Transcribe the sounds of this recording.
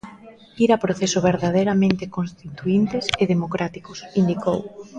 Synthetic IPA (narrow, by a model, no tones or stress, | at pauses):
iɾapɾoθesʊβeɾðaðejɾamẽnt̪ekonst̪it̪uint̪eseðemokɾat̪ikosind̪ikow